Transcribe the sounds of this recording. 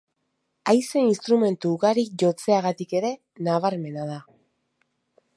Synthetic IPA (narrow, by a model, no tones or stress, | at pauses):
ajse̞inst̪ɾume̞nt̪uːɣaɾik̚ʝo̞t͡se̞aɣat̪ike̞ɾe̞ | naβaɾme̞nað̞a